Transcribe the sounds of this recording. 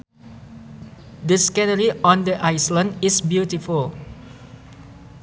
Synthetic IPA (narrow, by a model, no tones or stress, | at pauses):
dəskɛnəɹiʔɔ̃ndəʔajslə̃ndisbjutiful